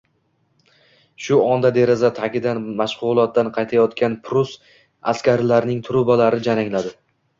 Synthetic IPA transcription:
ʃʊɒnd̪ad̪e̞ɾɪzat̪ʰakʲɪd̪anmaʃʁʊlˠɒt̪̚ːanqʰɑjt̪ʰajɒt̪kʲanpʰɾʊs | a̰skʲʰaɾlaɾnɪŋt̪ʰʊɾʊbalaɾɪd͡ʒanaŋlad̪ɪ

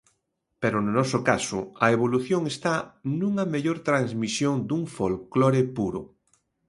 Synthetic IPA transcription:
peɾononɔsokasʊɐeβ̞oluθjoŋest̪anũŋɐmeʎoɾt̪ɾaŋzmisjoŋd̪uŋfolklɔɾepuɾo̰

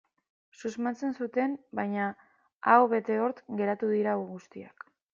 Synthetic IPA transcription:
suzmant͡se̞nsut̪e̞nbajɲa | awβe̞t̪e̞o̞ɾt̪ɡe̞ɾat̪uðiɾauɣust̪ia̰k

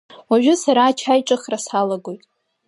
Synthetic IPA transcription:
waʒᶣʊsaɾaːt͡ʃʰajʈ͡ʂʼɨχrasalaɡo̞jtʼ

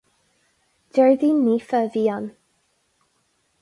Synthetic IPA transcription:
d̥ɛɹðiniːfəviːan

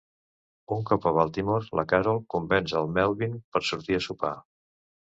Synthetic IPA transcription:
uŋkɔpəβalˠt̪imoɾlə̰kaɾolˠkumbɛnsəlˠmɛlˠβinpəɾsuɾt̪iəsupa̰

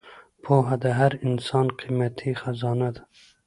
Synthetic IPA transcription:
pʰoɦad̪aɦaɾinsɑːnqʰimat̪ʰiːxazɑːnad̪

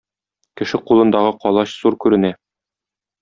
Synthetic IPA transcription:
kɘ̆ʃɘqulˠɤ̆nd̪ɑʁɤqɒlˠɑɕzuɾkʉɾɘ̆næ

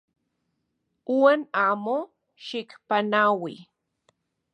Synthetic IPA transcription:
uwanamo | ʃɪkpanawḭ

